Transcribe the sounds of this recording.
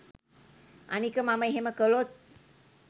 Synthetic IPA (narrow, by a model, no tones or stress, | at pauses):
a̰nikəmaməjɦeməkəlot̪̚